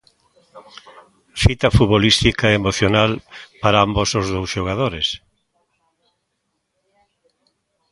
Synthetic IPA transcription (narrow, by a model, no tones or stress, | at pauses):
fit̪ɐfuβolist̪ikaeemoθjonalpaɾaambosozðowsʃoɣ̞aðoɾes